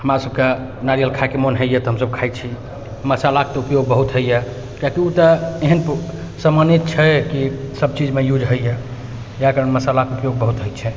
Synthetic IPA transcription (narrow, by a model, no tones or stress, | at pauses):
həmɾasəb̚ke | naɾijəlkʰakemonɦəjjɛt̪ɔɦəmsəb̚kʰajt͡ʃʰi | məsalaket̪ɔupjoɡ̚bəɦut̪ɦəjjɛ | kakiut̪əeɦənp | səmanit̪̚t͡ʃʰɛkisəb̚t͡ʃid͡ʒmejud͡ʒʱɦəjje | jakəɾənməsalakeupjoɡ̚bəɦut̪ɦəj̪t͡ʃʰɛ